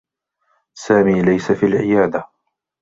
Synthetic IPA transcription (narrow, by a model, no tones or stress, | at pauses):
saːmiːlajsafiːlʕɪjaːd̪a